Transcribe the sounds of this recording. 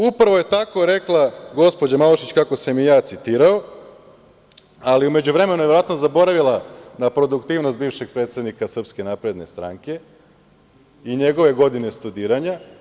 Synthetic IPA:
upɾaʋoje̞t̪ako̞ɾe̞klˠaɡo̞spo̞d͡ʑamaloʃit͡ɕkako̞semijaːt̪sit̪iːɾao | aliume̞d͡ʑuʋɾe̞menujeʋeɾoat̪nozabo̞ɾaʋilˠanapɾo̞d̪ukt̪iːʋnost̪̚biːʋʃe̞ɡ̚pɾet̪sed̪nikasr̩pske̞napɾe̞d̪ne̞st̪ɾa̰ŋke̞ | iɲe̞ɡo̞ʋe̞ɡo̞d̪ine̞st̪ud̪iːɾaɲa

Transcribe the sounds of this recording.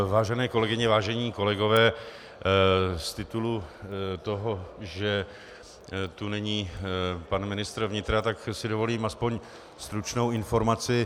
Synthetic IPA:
vaːʒɛnɛːko̞lɛɡɪɲɛvaːʒɛɲiːko̞lɛɡo̞vɛː | st̪ɪt̪ulut̪o̞ɦo̞ʒɛ | t̪unɛɲiːpanmɪnɪst̪ɾvɲɪt̪ɾat̪aksɪdovo̞liːmʔaspo̞ɲ | st̪ɾut͡ʃno̞wɪnfo̞ɾmat͡sɪ

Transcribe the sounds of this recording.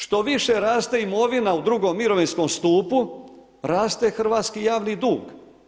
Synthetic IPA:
ʃt̪o̞ʋiʃeɾaːst̪eimo̞ʋinaud̪ɾuɡo̞mːiɾoʋinsko̞mst̪uːpu | ɾaːst̪exr̩ʋaːt̪skijaːʋnid̪uːɡ

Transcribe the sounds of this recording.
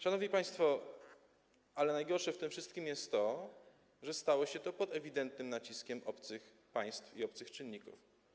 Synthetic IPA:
ʂanɔvɲipaj̃st̪fɔ | alɛnajɡɔɾʂɛft̪ɘmfʂɘst̪̚kʲimjɛst̪ːɔ | ʐɛst̪awɔɕɛt̪ɔpɔd̪ɛvʲid̪ɛnt̪̚nɘmnat͡ɕiskʲɛmɔpt̪sɘx | paj̃st̪fiɔpt̪sɘxt͡ʂɘnʲːikṵf

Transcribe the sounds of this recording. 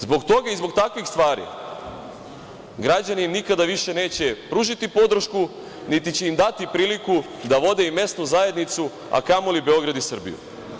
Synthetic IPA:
zbo̞ɡt̪o̞ɡaizbo̞ɡt̪akʋixst̪ʋaːɾḭ | ɡɾad͡ʑaninikad̪aʋiʃe̞ne̞ːt͡ɕe̞pɾuʒit̪ipo̞d̪ɾ̩ʃku | nit̪it͡ɕe̞imd̪at̪ipɾiːliku | d̪aʋo̞d̪e̞ime̞st̪nuzaje̞d̪nit̪su | a̰kamolibe̞o̞ɡɾad̪isr̩bḭjṵ

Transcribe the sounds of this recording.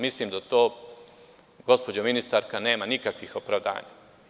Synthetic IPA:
mislimd̪at̪oː | ɡo̞spo̞d͡ʑominist̪aɾkane̞ːmanikakʋixo̞pɾaʋd̪a̰ːɲa̰

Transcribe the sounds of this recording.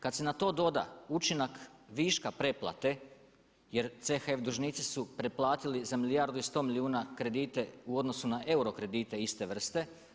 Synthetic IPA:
kad̪senat̪o̞ːd̪o̞d̪a̰ut͡ʃinakʋiʃkapɾe̞plˠa̰t̪e̞ | jeɾt̪sexefd̪uʒnit̪sisupɾeplˠaːt̪ilizamilijaɾd̪uist̪o̞miliuːnakɾe̞d̪iːt̪e̞uo̞d̪no̞sunaʔe̞uɾo̞kɾe̞d̪iːt̪e̞ist̪e̞ʋr̩st̪e̞

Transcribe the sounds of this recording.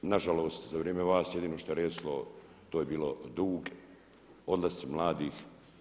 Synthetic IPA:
naʒaloːst̪zaʋɾeːmeʋaːsjed̪iːnoʃt̪o̞eɾeːslo | t̪oːjebiːlod̪uːɡ | o̞d̪lasmlˠaːd̪iːx

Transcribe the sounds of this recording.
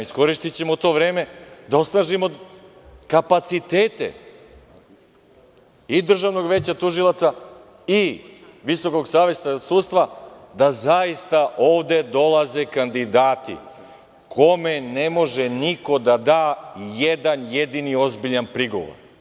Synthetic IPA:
isko̞ɾiʃt̪it͡ɕemot̪o̞ːʋɾeːmed̪ao̞snaːʒimo̞ | kapat̪sit̪eːt̪e̞̰ | id̪r̩ʒaʋno̞ɡʋe̞ːt͡ɕat̪uʒilˠat̪sa | i | ʋiso̞ko̞ɡsaːʋest̪at̪suːt̪st̪ʋa | d̪azaist̪aʔoːʋd̪e̞d̪o̞lˠaze̞kand̪id̪aːt̪ḭ | kʰo̞me̞ne̞mo̞ʒeniko̞d̪ad̪aːjed̪anjed̪inio̞zbiʎanpɾiɡo̞̰ʋo̰ɾ

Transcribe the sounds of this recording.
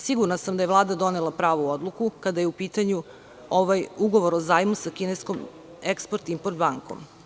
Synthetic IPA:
siɡuɾnasamd̪ajeʋlˠaːd̪ad̪o̞nelˠapɾaːʋood̪lˠukukad̪ajeupiːt̪aɲu | oʋajuɡo̞ʋoɾozaːjmusakinesko̞m | ekspoɾt̪impoɾt̪baŋko̰m

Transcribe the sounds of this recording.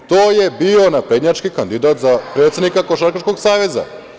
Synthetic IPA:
t̪oːjebionapɾed̪ɲat͡ʃkikand̪id̪at̪zapɾet̪sʲe̞d̪nikakoʃaɾkat͡ʃkoɡsaːʋe̞za̰

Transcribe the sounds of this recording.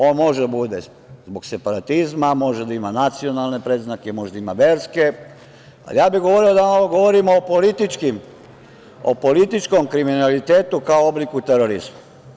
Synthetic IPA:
o̞ːnmo̞ʒed̪abud̪e | zbo̞ɡse̞paɾat̪izmamo̞ʒed̪aimanat̪sio̞nalˠne̞pɾeːznakemo̞ʒd̪aimaʋe̞ːɾske̞ | a̰ljaːbiɣɡo̞ʋoɾio̞d̪aamoʋoɡo̞ʋoɾimoːpolit̪it͡ʃkim | opo̞lit̪it͡ʃko̞mkɾiminalit̪eːt̪ukaooblikut̪eɾoɾizma

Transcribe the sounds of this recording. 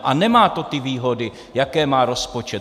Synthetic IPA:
ʔanɛmaːt̪o̞t̪ɪviːɦo̞dɪ | jakɛːmaːɾo̞spo̞t͡ʃɛt

